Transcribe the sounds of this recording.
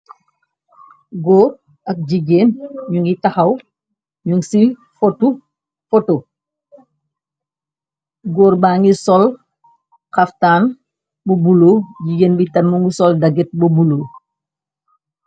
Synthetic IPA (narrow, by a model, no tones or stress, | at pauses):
ɡɔːr | ɐk̚ɟiɡeːnɲuŋɡitɐxɐw | ɲuŋsi | fɔtu | fɔto | ɡɔːɾbaːŋɡisɔl | xɐftaːn | bubuloːɟiɡeːnbitɐnːuŋɡusɔldɐɡɛt̚bubuloː